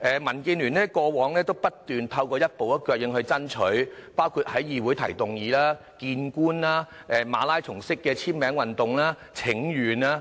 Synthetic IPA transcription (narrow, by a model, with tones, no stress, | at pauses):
ʔɛː˨mɐ˨˩nki˧nlyː˨˩nɛː˥kɔː˧wɔː˨˥ŋlɛː˥t̪o˥wpɐ˥t̚t̪yː˨nt̪ʰɐ˧wkɔː˧jɐ˥t̚po˨wɐ˥kːœː˧k̚jɪ˧ŋɦɵ˧ɥt͡sɐ˥nt͡ʃʰɵ˨˥ɥpaː˥wkʰuː˧t̚hɐ˨˥jːiː˨˧wuː˨˥jt̪ʰɐ̰˨˩jt̪ʊ˨ŋjiː˨˧laː˥ | kiː˧nkuː˥nlaː˥ | ʔɛː˨maː˨˧laː˥jt͡sʰʊ˨˩ŋsɪ˥kːɛː˧t͡sʰiː˥mɛː˨˥ŋwɐ˨nt̪ʊ˨ŋlaː˥ | t͡sʰɪ˨˥ŋjyː˨˩naː˥